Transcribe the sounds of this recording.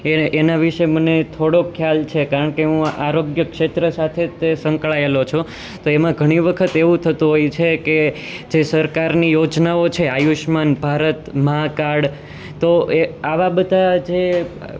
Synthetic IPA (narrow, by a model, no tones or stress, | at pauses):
eːnaʋiʃemənet̪ʰoɽokʰjalt͡ʃʰekaɾəɳkeɦũa̰ɾoɡjəkʃet̪ɾəsat̪ʰet̪esə̃ŋkɭaelot͡ʃʰo | t̪oemãɡʱəɽ̃iʋəkʰət̪eʋũt̪ʰət̪ũɦojt͡ʃʰeke | d͡ʒesəɾkaɾnijod͡ʒnaot͡ʃʰeajuʃmanbʱaɾət̪məɦakaɾɽ | t̪oeaʋabəd̪ʱad͡ʒe